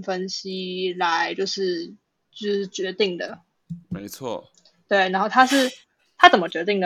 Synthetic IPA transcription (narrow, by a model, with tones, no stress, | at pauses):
fə˦˥nɕi˥la˧˦ɪt͡ɕjo˥˧ʊʂɻ̩˥˩ | ʈ͡ʂɻ̩˥˩t͡ɕɥɛ˧˥t̪i˥˩ŋd̪ə˩ | me˧˥ɪt͡sʰwɔ̰˥˩ | t̪we˥˩ɪna˧˥nxo˥˩ʊt̪ʰa˥ʂɻ̩˥˩ | t̪ʰa˥t͡sə˨˩nmə˦t͡ɕɥɛ˧˥t̪i˥˩ŋd̪ə˩